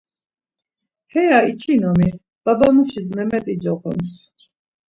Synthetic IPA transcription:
hɛjait͡ʃʰinɔmi | b̥abamuʃismɛmɛt̪ʼid͡ʒɔχɔ̰ns

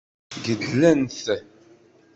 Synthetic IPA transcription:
ɡədlænθ

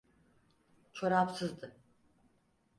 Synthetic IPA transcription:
t͡ʃʰoɾapsɯzd̪ɯ

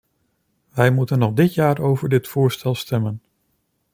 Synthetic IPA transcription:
ʋɛjmutənːɔχdɪtjaːɹowvəɹdɪtfʊːɹstɛlˠstɛmən

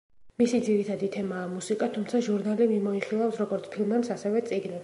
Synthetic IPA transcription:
misid̪ziɾit̪ʰad̪it̪ʰɛmaːmusikʼat̪ʰumt̪sʰaʒuɾnalimimɔiχilˠafsɾɔɡɔɾt̪sʰpʰilˠmɛmsasɛvɛt̪sʼiɡnɛs

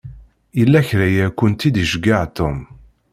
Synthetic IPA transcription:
ilːæçɾæjækʷʊnt̪id̪iʃɡaʕt̪ʊm

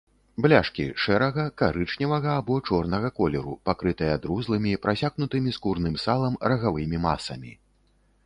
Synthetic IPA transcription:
blʲaʂkʲḭʂɛɾɐɣɐkaɾɨt͡ʂnʲɐvɐɣɐːbɔt͡ʂɔrnɐɣɐkɔlʲɛɾupakɾɨt̪ɐjɐd̪ɾuzlˠɨmʲipɾasʲaɣnut̪ɨmʲiskurnɨmsalˠɐmrɐɣavɨmʲima̰sɐ̰mʲḭ

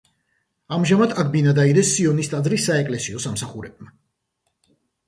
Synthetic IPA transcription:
amʒamat̪ʰaɡ̚binad̪aid̪ɛsːiɔnist̪ʼad̪zɾisaɛkʼlɛsiɔsamsaχuɾɛb̚ma

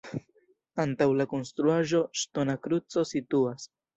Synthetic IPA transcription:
antawlako̞nst̪ɾuaʒo̞ʃto̞nakɾut͡so̞situas

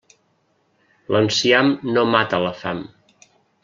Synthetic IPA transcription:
lənsiamnomat̪ələfam

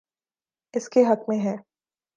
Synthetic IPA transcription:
ɪskeɦɐkmẽɦɛː

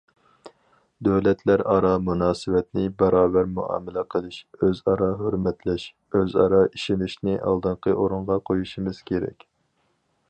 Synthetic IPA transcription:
d̪øwlɛt̪ʰlæɾɑɾɑmunɑːsɨwɛt̪nɪbɛɾɑːbæɾmuʔɑ̰ːmɪlɛqʰəlˠɨʃøzɑɾɑɦøɾmɛt̪lɛʃ | øzɑ̰ɾɑʔiʃinɪʃnɪʔɑ̰lˠd̪ɨɴqʰəʔoɾuɴʁɑqʰojuʃimɨz̥kʲeɾɛ̰kʲ

